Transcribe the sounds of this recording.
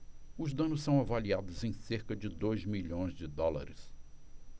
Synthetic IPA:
ʊzd̪ɐ̃nʊssɐ̃w̃avaliad̪ʊzẽj̃seɾkɐd͡ʒɪd̪ojzmiʎõj̃zd͡ʒɪd̪ɔla̰ɾɪs

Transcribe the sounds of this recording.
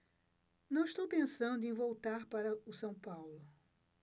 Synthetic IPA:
nɐ̃w̃iʃt̪owpẽsɐ̃nd̪ʊẽj̃vowt̪aɾpaɾɐʊsɐ̃w̃pawlʊ

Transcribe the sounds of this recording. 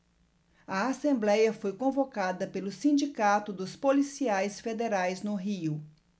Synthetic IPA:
ɐasẽmblɛjɐfojkõvokad̪ɐpelʊsĩnd͡ʒikat̪ʊd̪ʊspolisiajsfed̪eɾajznʊɦiʊ

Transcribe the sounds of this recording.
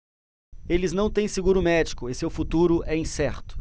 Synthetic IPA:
elɪznɐ̃w̃t̪ẽj̃sɪɡuɾʊmɛd͡ʒikʊesewfut̪uɾʊʔɛĩsɛɾt̪ʊ̥

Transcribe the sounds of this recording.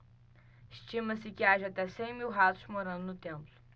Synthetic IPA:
iʃt̪ĩmɐsɪkɪaʒɐ̃at̪ɛsẽj̃miwɦat̪ʊ̥ʃmoɾɐ̃nd̪ʊnʊt̪ẽmplʊ̥

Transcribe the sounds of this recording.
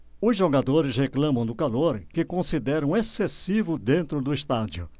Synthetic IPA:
ʊzʒoɡad̪oɾɪsheklɐ̃mɐ̃w̃d̪ʊkaloɾkɪkõsid̪ɛɾɐ̃w̃esesivʊd̪ẽnt̪ɾʊd̪ʊɪst̪ad͡ʒiʊ

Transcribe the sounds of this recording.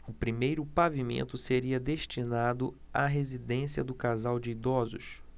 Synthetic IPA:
ʊpɾimejɾʊpavimḛ̃nt̪ʊseɾiɐd̪eʃt͡ʃinad̪ʊ | aɦezid̪ẽsiɐ̰d̪ʊkazawd͡ʒɪid̪ɔzʊ̰ʃ

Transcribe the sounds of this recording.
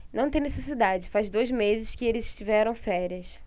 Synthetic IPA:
nɐ̃w̃t̪ẽj̃nesesid̪ad͡ʒɪfazd̪ojzmezɪʃkɪelɪzɪʃt͡ʃivɛɾɐ̃w̃fɛɾiɐs

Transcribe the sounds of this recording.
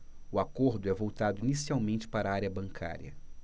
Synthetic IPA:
ʊakoɾd̪ʊɛvowt̪ad̪ʊinisiawmẽnt͡ʃɪ̥paɾɐaɾiɐbɐ̃ŋkʰa̰ɾjɐ̰

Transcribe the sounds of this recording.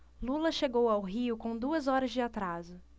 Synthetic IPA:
lulɐʃeɡowawɦiʊkõd̪uɐzɔɾɐzd͡ʒɪat̪ɾazʊ

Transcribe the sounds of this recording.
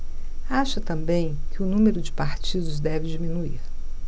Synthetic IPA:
aʃɐt̪ɐ̃mbẽj̃kɪʊnũmeɾʊd͡ʒɪpaɾt͡ʃid̪ʊzd̪ɛvɪd͡ʒimĩnuiɾ

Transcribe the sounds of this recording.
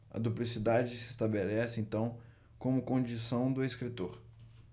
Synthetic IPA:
ɐ̰d̪uplisid̪ad͡ʒɪsɪst̪abelɛsɪẽnt̪ɐ̃w̃ | kõmʊkõd͡ʒisɐ̃w̃d̪ʊeskɾit̪oɾ

